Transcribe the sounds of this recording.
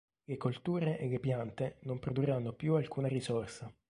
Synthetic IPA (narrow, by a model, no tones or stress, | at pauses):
lekolt̪uːɾeʔelːepjant̪enompɾod̪uranːopjualkuːnarisɔrsa